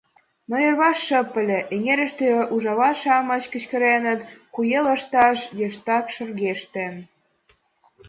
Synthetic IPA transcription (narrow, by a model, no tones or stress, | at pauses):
mŏjərβɑʃːəpə̆lʲĕʔeŋeɾə̆ʃt̪eʔuʒɑβɑʃɑmə̆t͡ɕkə̆t͡ɕkə̆ɾenə̆t̪kujeləʃt̪ɑʃjeʃt̪ɑkʃə̆rɣeʃt̪en